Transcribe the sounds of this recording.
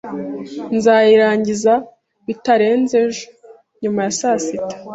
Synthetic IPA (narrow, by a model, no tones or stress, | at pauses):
nzaːjiɾaːɲɟiza | βitaɾe̞ːnzeʒo | ɲumajasasitḁ